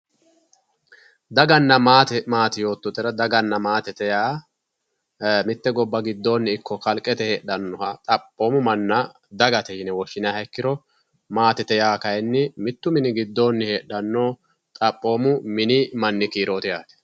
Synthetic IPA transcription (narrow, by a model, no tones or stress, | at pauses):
d̪ɐɡɐnːɐmaːt̪ɛmaːt̪ɪjo̞ːt̪ːɔt̪ːɛɾɐd̪ɐɡɐnːɐmaːt̪ɛt̪ɛjaː | mɪt̪ːɛɡɔbːɐɡɪd̪ːo̞ːnːɪɪkːɔkɐlkʼːɛt̪ɛheːɗɐnːɔhɐt̪ʼɐpʼːo̞ːmʊmɐnːɐ | d̪ɐɡɐt̪ɛhɪnɛwɔʃːɪnjahɛkːɪɾɔ | maːt̪ɛt̪ɛjaːkɐjɛnːɪmɪt̪ːʊmɪnɪɡɪd̪ːo̞ːnːɪheːɗɐnːoː | t̪ʼɐpʼːo̞ːmʊmɪnɪmɐnːɪkiːɾo̞ːt̪ɪjaːt̪ɛ̥